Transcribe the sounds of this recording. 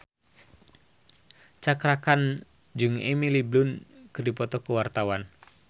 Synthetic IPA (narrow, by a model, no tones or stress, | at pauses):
t͡ʃakɾakan | d͡ʒɨŋɛ̰miliblunkɨrdipɔt̪ɔkuwart̪awan